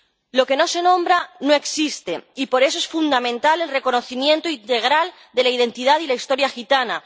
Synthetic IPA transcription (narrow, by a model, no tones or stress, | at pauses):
lo̞ke̞no̞se̞nõ̞mbɾano̞e̞ksist̪e̞ipo̞ɾe̞soe̞sfund̪amẽ̞nt̪ale̞lre̞ko̞no̞θimjẽ̞nt̪oint̪e̞ɣ̞ɾal | d̪e̞laið̞e̞nt̪ið̞aðilaist̪o̞ɾjaxit̪ana